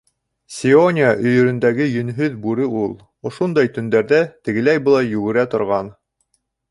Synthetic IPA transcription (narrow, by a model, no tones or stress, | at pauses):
sʲionʲɪaʔɵ̆jɵ̆ɾɵ̆nd̪æɡɘjɵ̆nɦɵðbʉɾɘulˠ | ŏʃund̪ɑjt̪ɵ̆nd̪æɾðæt̪ɘ̆ɡɘ̆læjbɤ̆lˠɑjjʉɡɘ̆ɾæt̪ŏɾʁɑn